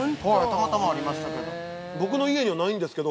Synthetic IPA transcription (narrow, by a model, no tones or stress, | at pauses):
ot̪amat̪amaːɾʲimaɕi̥t̪ake̞d̪o̰ | bo̞k̬ɯ̟no̞ie̞ɲiβanaĩnd̪e̞sɨ̥ke̞d̪o